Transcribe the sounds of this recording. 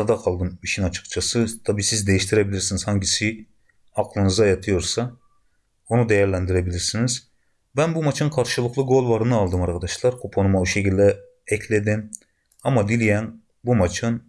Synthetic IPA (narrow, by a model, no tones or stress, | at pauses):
d̪ɑqʰɑlˠd̪ɯmiʃʰinɑt͡ʃʰɯ̥kt͡ʃʰɑsɯt̪ʰɑbiːsizd̪ejiʃt̪ʰiɾebiliɾsinizhɑɲɟisi | ɑqlˠɯnɯzɑjɑt̪ʰɯjo̞ɾsɑ | onud̪ɛjæɾlʲænd̪iɾebilʲiɾsiniz | bænbumɑt͡ʃʰɯnkʰɑɾʃɯlˠɯqlˠɯɡo̞lˠvɑɾɯnɯɑlˠd̪ɯmɑɾkʰɑd̪ɑʃlˠɑɾkʰopʰonumauʃecʰilʲd̪ɛ | ɛcʰlʲed̪im | ɑmɑd̪ilʲijæn | bumɑt͡ʃʰɯn